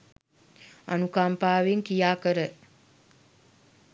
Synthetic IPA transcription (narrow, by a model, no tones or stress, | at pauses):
a̰nukampaːʋeŋkijaːkəɾə